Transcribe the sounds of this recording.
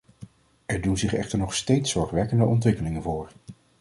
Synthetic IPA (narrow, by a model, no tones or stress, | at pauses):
ɛɹdunzɪχɛ̰χtəɹnɔχstejtsɔɹχʋɛkəndəʔɔntʋɪkəlɪŋənvʊːɹ